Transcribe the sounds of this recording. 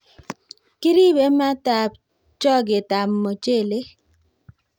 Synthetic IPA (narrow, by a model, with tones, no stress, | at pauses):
ki˦ɾi˦be˨˦ma˦ta˨p̚ | t͡ʃɔ˦˨ɡe˨ta˨mːɔ˨t͡ʃe˦˨le˦